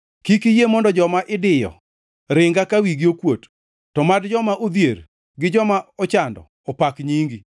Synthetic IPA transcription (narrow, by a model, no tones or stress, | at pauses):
kikijemɔndɔd͡ʒɔmaʔɪdɪjɔ̰ | ɾɪŋɡakawiɡiokwot | tːɔmadd͡ʒɔmaʔod̪jeɾ | ɡɪd͡ʒɔmaɔt͡ʃandɔ̰ | ɔpakɲiŋɡi